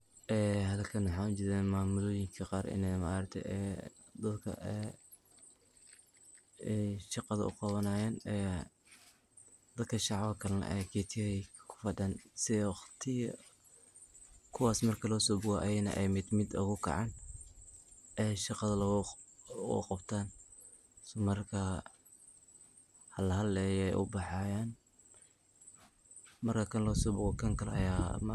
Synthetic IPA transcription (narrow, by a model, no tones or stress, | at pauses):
ʔɛːhɐðɐlkʰɐnħaːʊt͡ʃɪðɛːmaːmʊlɔːjɪŋkʰɐqɑːɾʔɪ̰nɛma̰ːɾɐt̪ʰɛ̰ʔɛ̰ː | d̪ɐd̪kʰɐ̰ʔɛ | ɛjʃɑqɑðɐʔʊ̰qɑβɐnaːjaːnɛ | d̪̥ɐd̪kʰɐʃɑʕβɐkʰɐlɐnɐ̰ʔɛjɡɛːt̪ʰɪɛkʰʊ̥fɐd̪ɐnsɪɛχt̪ʰɪjɐ | kʰʊwɑːsmɐrkʰɐlɔːsɔːbʊɣɔʔɐjɛnɐ̰ʔɛjmɪd̪mɪd̪ʊɣʊkʰɐ̰ʕɑːn | ɛʃɑqɑðɐl̰ | qɑbt̪ʰaːn | smɐrkʰa | hɐlɐɦɐlɛjɛjʔʊ̰bɑħɑːjaːn | mɐrkʰɐkʰɐnlɔːsɔːbʊɣɔkʰɐŋkʰɐlɐ̰jaːm